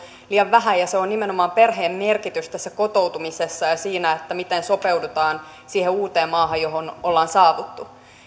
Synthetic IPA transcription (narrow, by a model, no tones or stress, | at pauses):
liɑʋʋæhæjɑseonnimenomɑːmperɦeːmmerkit̪yst̪æsːæko̞t̪o̞ut̪umisesːɑjɑsiːnæet̪ːæmit̪enso̞peudut̪ɑːn | siːheuːt̪eːmmːɑːɦɑjo̞ɦonolːɑːnsɑːʋut̪ːu